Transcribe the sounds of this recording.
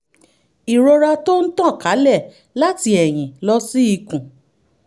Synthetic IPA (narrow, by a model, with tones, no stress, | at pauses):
i˨ɾo˧ɾa˧to˦n̩˦tã˦˨ka˨˦lɛ˦˨ | la˦ti˧˦ɛ˨j̃ĩ˨lɔ˧si˦i˧kũ˨